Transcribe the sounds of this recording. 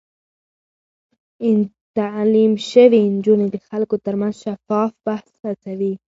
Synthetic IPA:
n | t̪alimʃawind͡ʒuned̪əxalkot̪aɾmanzʃafɑfbahsat͡sawi

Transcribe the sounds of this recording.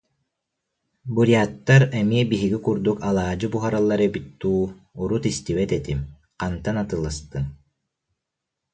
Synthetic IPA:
buɾijaːt̪ːaɾɛmiɛbiɦiɡikuɾd̪ukalˠaːd͡ʑɯbuɦaɾalˠːaɾɛbit̪ːuːuɾut̪ist̪iβɛt̪ɛt̪im | qant̪anat̪ɯlˠast̪ɯm

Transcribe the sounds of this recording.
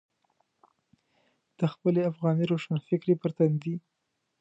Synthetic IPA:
d̪̥əxpəleafɣɑniɾoʂanfɪkɾepəɾt̪and̪i

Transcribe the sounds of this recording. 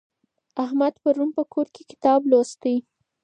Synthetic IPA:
ahmad̪paɾunpəkʰoɾkekɪ̥t̪ɑblost̪əj

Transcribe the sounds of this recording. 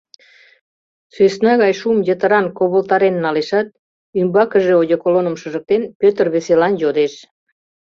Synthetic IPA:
sesnɑɣɑjʃumjət̪əɾɑnkoβəlt̪ɑɾenːɑleʃɑt̪̚ | ymbɑkəʒeojokolonəmʃəʒək̚t̪enpøt̪ərβeselɑnjod̪eʃ

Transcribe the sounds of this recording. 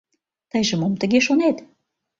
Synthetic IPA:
t̪əjʒə̆momt̪ə̆ɣeʃonet̪

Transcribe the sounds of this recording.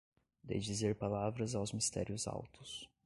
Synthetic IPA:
d̪ḛjd͡ʒizeɾpalavɾɐzawzmist̪ɛ̰ɾiʊza̰wt̪ʊs

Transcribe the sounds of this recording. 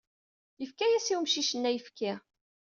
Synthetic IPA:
jəfkæjæsiwmʃiʃənːæjəfkæ

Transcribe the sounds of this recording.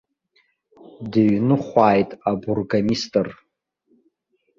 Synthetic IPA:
dɨɥnɨχʷaːjtʼaburɡamistʼɨr

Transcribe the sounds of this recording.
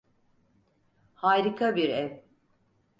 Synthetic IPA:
haːɾikʰabiɾɛv

